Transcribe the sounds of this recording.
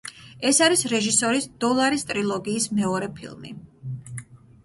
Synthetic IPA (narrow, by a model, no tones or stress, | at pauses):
ɛsaɾisɾɛʒisɔɾisd̪̥ɔlˠaɾist̪ʼɾilˠɔɡiːsmɛɔɾɛpʰḭlˠmḭ